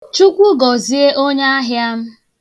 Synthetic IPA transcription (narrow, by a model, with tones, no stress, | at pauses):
t͡ʃu˦kʷu˦ɡɔ˨zi˦e˦ʔo˦ɲa˦a˦ɦɪ˦a˦m̩˦